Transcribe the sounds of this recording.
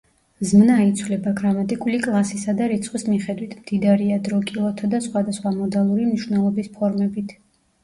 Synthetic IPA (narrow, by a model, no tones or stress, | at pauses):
zmnait̪sʰwlɛbaɡɾamat̪ʼikʼulikʼlˠasisad̪aɾit̪sʰχwismiχɛd̪wit̪ʰmd̪̥id̪aɾiad̪ɾɔkʼilˠɔt̪ʰad̪asχwad̪asχwamɔd̪alˠuɾimniʃwvnɛlˠɔbispʰɔɾmɛbit̪ʰ